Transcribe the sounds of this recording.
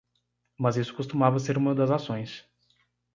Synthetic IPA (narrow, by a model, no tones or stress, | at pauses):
mɐzisʊ̥kust̪umavɐseɾũmɐd̪ɐzasõj̃s